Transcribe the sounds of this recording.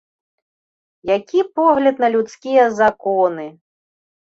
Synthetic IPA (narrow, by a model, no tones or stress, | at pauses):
jakʲipɔɣlʲɐd̪nɐlʲut̪skʲijɐzakɔnɨ